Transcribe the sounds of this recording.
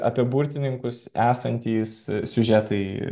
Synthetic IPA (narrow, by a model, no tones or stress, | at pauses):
ɑ̰pʲiɛbuɾʲt̪ʲɪnʲɪŋkʊsæːsɐnʲt̪ʲiːssʲʊʒʲæːt̪ɐɪ